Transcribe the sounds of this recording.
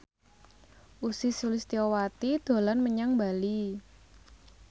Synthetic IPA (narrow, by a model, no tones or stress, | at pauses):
ʔusɪsulɪst̪iɔwat̪id̪̥o̤lanməɲaŋbali